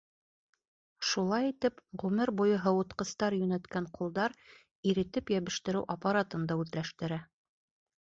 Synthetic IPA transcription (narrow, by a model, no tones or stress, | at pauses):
ʃulˠɑjit̪ɘpʁʉmɘɾbujɤɦɤwŏt̪qɤ̆st̪ɑɾjɵ̆næt̪kæɴqulˠd̪ɑɾ | iɾɘ̆t̪ɘpjæβɘ̆ʃt̪ɘ̆ɾɘwʔɐpaɾat̪ɤ̆nd̪ɑʉðlæʃt̪ɘ̆ɾæ